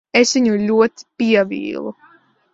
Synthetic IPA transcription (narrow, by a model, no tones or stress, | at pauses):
esviɲulʲuɔt̪i̥piɛvḭːlˠu